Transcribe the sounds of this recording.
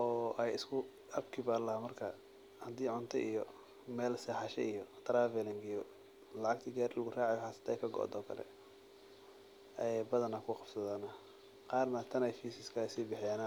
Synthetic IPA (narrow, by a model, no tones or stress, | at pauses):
ʔɔːʔɛjɪskʰʊ | ɐbkʰɪbaːlɐmɐrkʰɐ | hɐd̪iːʕʊnt̪ʰɛ̰ʔijɔ | mɛːlsɛħɑʃɛ̰ʔijɔt̪ʰɾaːvɛlɪŋɡijɔ | lɑʕɑɡ̚t̪ʰiːɡɛːɾlɐɣʊraːʕɪjɔħasɐ̥t̪ʰɛjkʰɐɡɔ̰ʔd̪ɔːkʰɐ̰lɛ̰ | ɛbɐðɐnɐkʰʊqɑb̥sɐðaːnɐ | qɑːrnɐt̪ʰɐnɛjfiːsɪskʰaːɪsiːbɪħɪjɛːnaː